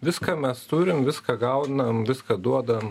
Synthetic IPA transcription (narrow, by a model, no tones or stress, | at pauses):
ʋʲɪskɐmʲɛst̪uːɾʲɪmʋʲɪskɐɡɐʊd̪ʲnɐmʋʲɪskɐd̪uɔd̪ɐʋɐm